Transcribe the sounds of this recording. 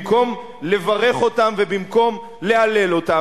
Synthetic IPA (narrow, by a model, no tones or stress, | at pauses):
ko̞m | le̞vaʁe̞χo̞tamve̞bimko̞m | le̞ale̞lo̞ta